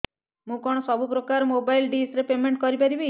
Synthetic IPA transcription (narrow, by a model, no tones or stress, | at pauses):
mũkɔɽ̃ɔsɔbʱup̬ɾɔkaɾɔmobajlɖisɾepemeɳʈkɔɾipaɾibi